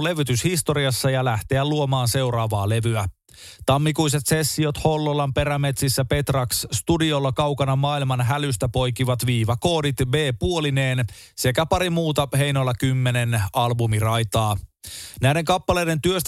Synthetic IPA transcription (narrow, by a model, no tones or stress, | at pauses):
le̞ʋyt̪yshist̪o̞ɾiɑsːɑjɑlæht̪eæluomɑːnse̞urɑːʋɑːle̞ʋyæ | t̪ɑmːikuis̬et̪se̞sːiot̪ho̞lːolːɑmpe̞ɾæmet̪sisːæpe̞t̪rɑksst̪udio̞lːɑkɑwkɑnɑmɑːilmɑnɦælyst̪æpo̞jk̟iʋɑt̪ʋiːʋɑko̞ːdit̪beːpuolineːn | se̞kæpɑɾimuːt̪ɑhe̞jnolːɑkymːe̞nenɑlbumirɑjt̪ɑːnæjde̞ŋkɑpːɑle̞jde̞nt̪yøst̪